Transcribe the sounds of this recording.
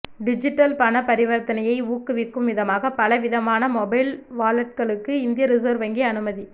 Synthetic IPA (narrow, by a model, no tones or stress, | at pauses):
ɖɪd͡ʒɪʈːɐlpɐnɐpɐɾɪʋɐɾt̪ɐnɐjɐɪuːkːɯʋɪkːɯmʋɪðɐmaːɣɐpɐlɐʋɪðɐmaːnɐmɔbɐɪlʋaːlɐʈ̚kɐɭɯkːɯɪnd̪ɪjɐɾɪsɐːɾʋɐŋɡiɐnɯmɐði